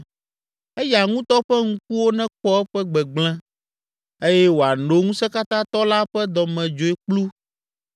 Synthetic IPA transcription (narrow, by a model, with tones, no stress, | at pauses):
e˦ja˨ŋũ˦t̪ɔ˦ɸɛ˦ŋũ˦k̚u˦wo˦nɛ̃˦k͡pɔ˦ɛ˦ɸɛ˦ɡ͡bɛ˨ɡ͡bl̃ɛ̃˦ | e˦jɛ˦wo˨a˨no˦ŋũ˦sɛ˦ka˦t̪ã˦t̪ɔ˦la˦ɸɛ˦d̪ɔ˨mɛ̃˨d͡ʒo˨e˨k͡plu˦